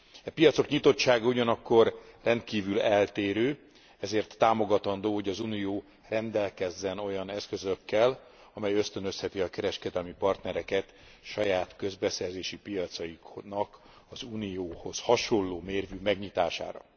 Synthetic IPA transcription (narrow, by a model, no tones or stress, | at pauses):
ɛpijɒt̪so̞kɲit̪o̞t͡ʃːaːɡɒuɟɒnɒkːo̞rrɛnt̪kiːvylɛlt̪eːɾøː | ɛzeːrt̪ːaːmo̞ɡɒt̪ɒnd̪oːho̞ɟɒzuːnijoː | rɛnd̪ɛlkɛzːɛno̞jɒnɛskø̞zøkːɛl | ɒmɛjø̞st̪ø̞nø̞shɛt̪iɒkɛɾɛʃkɛd̪ɛlmipɒrt̪nɛɾɛkɛt̪ | ʃɒjaːt̪kø̞zbɛsɛrzeːʃipijɒt̪sɒjiknɒk | ɒzuːnijoːho̞shɒʃo̞lːoːmeːrvyːmɛɡɲit̪aːʃa̰ːɾɒ̰